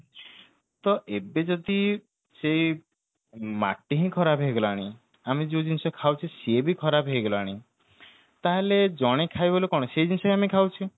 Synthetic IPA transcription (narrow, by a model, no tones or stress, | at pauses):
t̪ɔʔebed͡ʒɔd̪i | sej | ma̰ʈiɦĩkʰɔɾabʱɦejɡɔlaɽ̃i | amed͡ʒod͡ʒinsɔkʰawt͡ʃʰisebʱikʰɔɾabʱɦejɡɔlaɽ̃i | t̪aɦeled͡ʒɔɽ̃ekʰajbolekɔɽ̃ɔsejd͡ʒinsɔɦĩamekʰawt͡ʃʰi